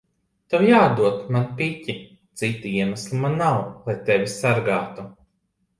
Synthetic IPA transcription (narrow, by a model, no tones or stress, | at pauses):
t̪awjaːd̪uɔt̪manpicʲi | t̪sit̪ːiiɛmaslˠimanːawlˠajt̪evʲisaɾɡaːt̪u